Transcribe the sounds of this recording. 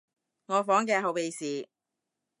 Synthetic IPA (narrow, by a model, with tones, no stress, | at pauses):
ŋɔː˨˧fɔː˨˥ŋkɛː˧ɦɐ˨˧wpe˨˧jsiː˨˧